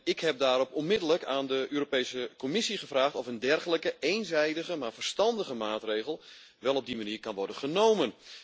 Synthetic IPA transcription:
ɪkhɛp̚daːɾɔpɔnmɪdələkaːndəʔøːɾopejsəkɔmɪsiχəvraːχtɔfəndɛrχələkəejnzɛjdəɣəmaːɹvərstɑndəɣəmaːtrejɣəlˠ | ʋɛlˠɔb̚dimaniːrkɑnʋɔɹdənχənowmən

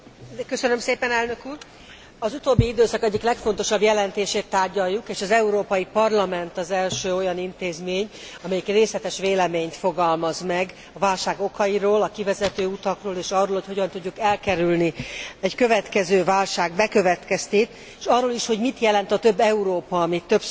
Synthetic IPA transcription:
kø̞sønømseːpɛnɛlnø̞kuːr | ɒzut̪oːbːiid̪øːsɒkɛɟːiklɛkfo̞nt̪o̞ʃɒbjɛlɛnt̪eːʃeːt̪ːaːrɟɒjːukeːʃɒzɛuɾoːpɒjipɒrlɒmɛnt̪ɒzɛlʃøːo̞jɒnint̪eːzmeːɲɒmɛjikreːslɛt̪ɛʃʋeːlɛmeːɲt̪fo̞ɡɒlmɒzmɛɡ | ɒvaːlʃaːɡo̞kɒjiɾoːlɒkivɛzɛt̪øːut̪ɒkroːleːʃɒrːoːlhocho̞ɟɒnt̪uɟːukɛlkɛɾylniɛɟkø̞vɛt̪kɛzøːvaːlʃaːɡbɛkø̞vɛt̪kɛst̪eːt̪ː | ʃɒrːoːliʃho̞ɟmit̪jɛlɛnt̪ɒt̪ø̞bːɛuɾoːpɒːmit̪ːøbs

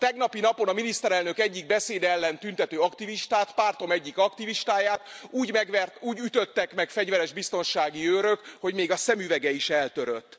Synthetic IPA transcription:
t̪ɛɡnɒpinɒpo̞nɒminist̪ɛɾɛlnøkɛɟːiɡ̚bɛseːd̪ɛlːɛnt̪ynt̪ɛt̪øːɒkt̪iviʃt̪aːt̪paːrt̪o̞mɛɟːikɒkt̪iviʃt̪aːjaːt̪uːɟmɛɡɛruːɟyt̪øt̪ːɛkmɛkfɛɟvɛɾɛʒbist̪o̞nʃaːɡiøːɾøkho̞ɟmeːɡɒsɛmyvɛɡɛiʃɛlt̪øɾø̰t̪ː

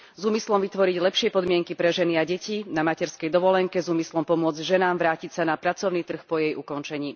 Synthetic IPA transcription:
zuːmislɔmʋit̪ʋɔɾiɟlɛpʃɪɛpɔd̪mɪɛŋkipɾɛʒɛniaɟɛciːnamacɛɾskɛjd̪ɔʋɔlɛŋkɛzuːmislɔmpɔmʊɔd͡zɟʒɛnaːmʋɾaːcicsanapɾat͡sɔʊnit̪r̩xpɔjɛjʔukɔnt͡ʃɛɲiː

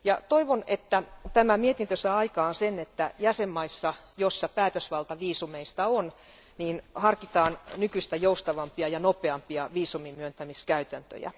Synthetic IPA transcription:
jɑt̪oiʋonet̪ːæt̪æmæmiet̪int̪øsɑːɑikɑːnsenet̪ːæjæsemːɑisːɑ | josːɑpæːt̪øsʋɑlt̪ɑʋiːsumeist̪ɑon | niːnhɑrkit̪ɑːnnykyist̪æjoust̪ɑʋɑmpiɑjɑnopeɑmpiɑʋiːsumimyønt̪æmiskæyt̪ænt̪ø̰jæ̰

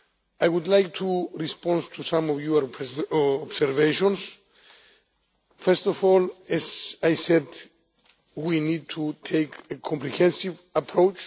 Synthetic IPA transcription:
ajwud̪lajk̚t̪ʰuɹispɔ̃ndt̪ʰusãmɔvjua | ɔbsɛɾveʃɔ̃ns | fɛɹst̪ɔvɔlɛzajsɛd̪ | winid̪̚t̪ʰut̪ʰejkekʰɔ̃mpɾihɛ̃nsivapʰɹowt͡ʃ

